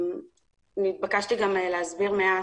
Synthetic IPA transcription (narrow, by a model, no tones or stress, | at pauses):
nit̪̚bakaʃt̪iɡameleɦazbiʁmea